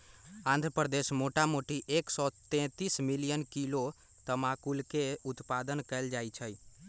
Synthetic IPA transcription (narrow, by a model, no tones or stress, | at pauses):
ãnd̪ʱɾəpɾəd̪esmoʈamoʈiʔeksɔt̪ɛ̃t̪ismilijənkilo | t̪əmakulkeut̪pad̪ənkɛld͡ʒajt͡ʃʰəj